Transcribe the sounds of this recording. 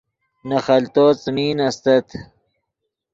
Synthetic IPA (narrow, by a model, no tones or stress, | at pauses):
nɐxɐlt̪oːt͡smiːnɐst̪ɐt̪ʰ